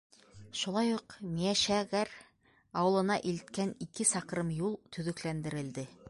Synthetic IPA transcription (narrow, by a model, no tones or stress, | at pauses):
ʃulˠɑjuqmijæʃæɣæɾ | ɑwɤ̆lˠɤ̆nɑʔilt̪̚kænikɘsɑqɾɤmjulˠt̪ʰɵ̆ðɵ̆klænd̪ɘ̆ɾɘ̆ld̪ɘ